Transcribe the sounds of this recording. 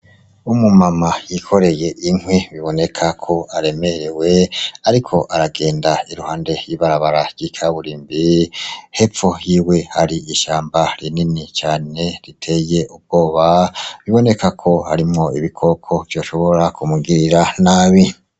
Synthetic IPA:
umumamajikʰo̞ɾe̞je̞ʔiŋwiβiβo̞ne̞kʰakʰo̞aɾe̞me̞ɾewe̞aɾikʰo̞ʔaɾaɡe̞ːndaiɾuhaːnde̞ɾjiβaɾaβaɾaɾɟ̥ikʰaβuɾiːmbihe̞p͡fojiːwe̞haɾiiʃaːmbaɾininit͡ʃaːne̞ɾitʰe̞je̞ʔub̚ɡ̥o̞ːβaβiβo̞ne̞kʰakʰo̞haɾimŋo̞iβikʰo̞kʰo̞vjo̞ːʃo̞βo̞ɾakumuɡiɾiɾanaːβi

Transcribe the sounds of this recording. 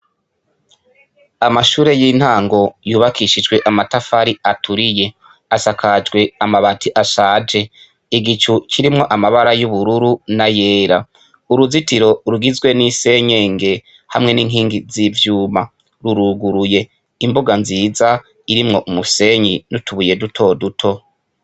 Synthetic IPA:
amaʃuːɾe̞jiːn̥haːŋɡo̞juːβakʰiʃid͡ʒɡwe̞ʔamatafaɾiatʰuɾije̞ | asakʰad͡ʒɡwe̞amaβatʰiʔasaːd͡ʒe̞ | iɡit͡ʃukʰiɾimŋo̞ʔamaβaɾajuβuɾuɾunaje̞ːɾa | uɾuzitiɾo̞ɾuɡizɡwe̞nise̞ɲeːŋɡe̞ | hamŋe̞niːŋ̥iːŋɡizivjuːma | ɾuɾuɡuɾuje̞ | imboɡanziːza | iɾimŋo̞ʔumuse̞ɲinutuβuje̞dutʰo̞dutʰo̞

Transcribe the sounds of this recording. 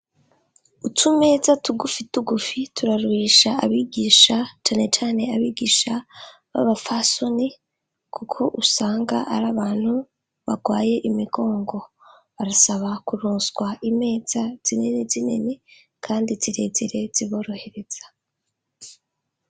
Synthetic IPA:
utume̞ːzatuɡufituɡufitʰuɾaɾuiːʃaaβiːɡiːʃat͡ʃaːne̞t͡ʃaːne̞aβiːɡiːʃa | βa̰βafasoni | kʰukʰo̞ʔusaːŋɡa̰ʔaɾaβaːn̥hu | βaɡwaːje̞ʔimiɡo̞ːŋɡo̞ | βaɾasaβakuɾuːnsɡwaime̞ːz̥az̥inenezine̞̰ne̞ | kʰaːndiz̥iɾe̞ziɾe̞z̥iβo̞ːɾo̞he̞ɾe̞z̥ḁ

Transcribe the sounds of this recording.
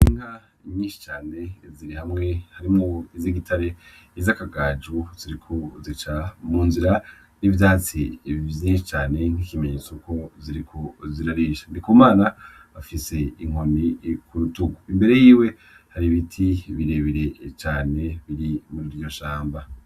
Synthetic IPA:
niŋa | iɲiːnʃi̥t͡ʃaːne̞ziɾihamŋe̞haɾimŋoiziɡitʰaɾe̞ | izakaɡaːd͡ʒuziɾikʰozit͡ʃamuːnziɾa | nivjaːt͡sivjiːnʃit͡ʃaːne̞ŋ̥ikimeɲeːt͡sokʰo̞ziɾikʰoziɾaɾiʃḁndikuːmaːna | afise̞iŋ̥ho̞nikʰuɾutuɡuimbe̞ɾe̞jiːwe̞ | haɾiβitʰiβiɾeβiɾe̞t͡ʃaːne̞βiɾimuɾiɾɟo̞ʃaːmba

